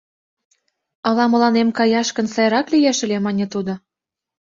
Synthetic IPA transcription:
ɑlɑmɤ̆lɑnemkɑjɑʃkə̆nsɑjɾɑklijeʃɘ̆lʲemɑnʲĕt̪ud̪ŏ

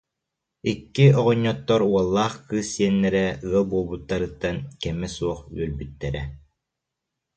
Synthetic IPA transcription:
ikːiɔʁɔɲːɔt̪ːɔɾuɔlˠːaːχkɯːsːiɛnːɛɾɛɯɐlˠbuːlˠbut̪ːaɾɯt̪ːankɛmɛsuɔχy̰œɾbyt̪ːɛɾɛ

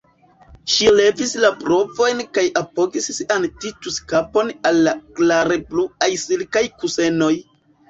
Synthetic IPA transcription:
ʃile̞vislapɾo̞vo̞jnkajʔapo̞ɡissiantituskapo̞nalːaklaɾepluajsilkajkuse̞no̞j

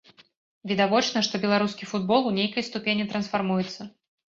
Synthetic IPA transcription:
vʲɛd̪avɔt͡ʂnɐʂt̪ɔbʲɛlˠaɾuskʲifud̪bɔlˠunʲejkɐjst̪upʲenʲit̪ɾɐnsfarmujɛt̪sːɐ

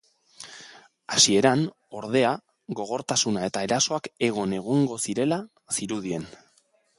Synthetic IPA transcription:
asie̞ɾan | o̞ɾð̞e̞a | ɣo̞ɣ̞o̞ɾt̪asunae̞t̪ae̞ɾaso̞ake̞ɣ̞o̞ne̞ɣ̞oŋɡo̞siɾe̞la | siɾuð̞ie̞n

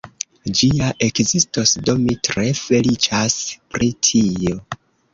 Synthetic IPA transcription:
d͡ʒiaʔe̞kzisto̞sdo̞mitɾe̞fe̞lit͡ʃaspɾitʰio̞

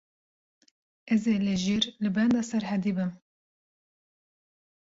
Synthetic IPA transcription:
ɛzeːlɨʒiːɾlɨbɛnd̪ɑːsɛɾɦɛd̪iːbɨm

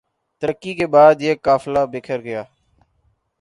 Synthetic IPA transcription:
t̪əɾəkːiːkeːɓaːd̪eːkːaːflaːbɪːkʰəɾɡɪjaː

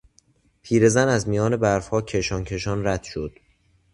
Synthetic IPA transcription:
pʰiːɾe̞zænæzmijɒːne̞bæɾfhɒːcʰe̞ʃɒːncʰe̞ʃɒːnɾæd̪̥ʃod̪̥

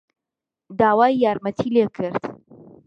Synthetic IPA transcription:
d̪aːwaːjːaːɾmɐt̪ʰiːlekʰɨɾd̪

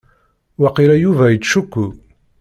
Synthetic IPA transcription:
waqiɾæjuvæjət͡sːʃukʷːu

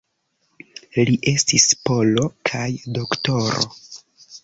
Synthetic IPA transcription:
liʔe̞stispo̞lo̞kʰajdo̞kto̞ɾo̰

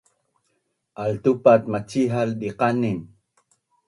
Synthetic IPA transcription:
ʔalt̪upat̪̚mat͡ʃiɦalɗiqanin

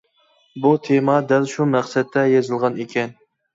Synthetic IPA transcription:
but̪ʰemɑd̪ælʃumæqsɛt̪ʰːɛjezɨlˠʁɑnekʲʰɛn

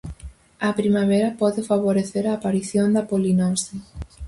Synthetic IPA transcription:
ɐpɾimaβ̞eɾɐpɔðɪfaβ̞oɾeθeɾaːpaɾiθjond̪ɐpolinosi

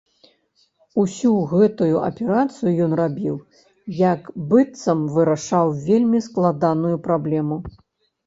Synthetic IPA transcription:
usʲuɣɛt̪ujuʔɐ̰pʲɛɾat̪sɨjujɔn̪rabʲiw | jɐkbɨt̪sɐmvɨɾaʂawvʲelʲmʲisklˠad̪anujupɾablʲɛmu

